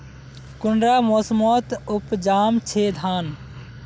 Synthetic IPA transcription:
kʊɳɖɾamosmɔt̪ʊpd͡ʒaːmt͡ʃʰed̪ʱaːn

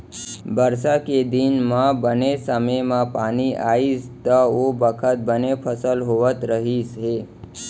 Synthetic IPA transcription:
bəɾsaked̪inmãbənesəməjmãpaniʔaist̪əobəkʰət̪̚bənepʰəsəlɦoʋət̪ɾəɦisɦe

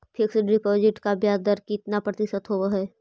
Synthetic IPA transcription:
pʰɪksɖɪpɔːd͡ʒɪʈkabjaːd̪əɾkit̪napɾɐt̪ɪʃət̪ɦoʋaɦɛː

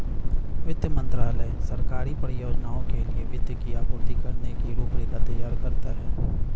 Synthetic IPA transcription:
ʋɪd̪jəmə̃nt̪ɾaːləsəɾkaːɾipəɾijoːd͡ʒnaːõkelieʋɪd̪jəkiaːkoːnikəɾnekiɾuːpɽekat̪ɐjaːɾkɐɾt̪aɦɛː

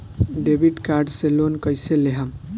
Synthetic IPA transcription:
ɖebiʈkaɾɖselonkəjseleɦam

